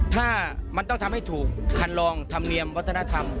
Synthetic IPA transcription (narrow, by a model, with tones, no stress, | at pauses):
t̪ʰaː˥˩ma˧nt̪ɔ˥˩ŋt̪ʰmha˥˩jt̪ʰuː˨˩k̚ʰːa˧nlɔː˧ŋt̪ʰa˧mni˧əmwa˦˥t̪ʰːna˥t̪ʰa˧m